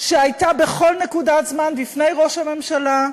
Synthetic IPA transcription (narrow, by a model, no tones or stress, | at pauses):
ʃeajtabe̞χo̞lne̞kudazmanlifne̞jʁo̞ʃhame̞mʃala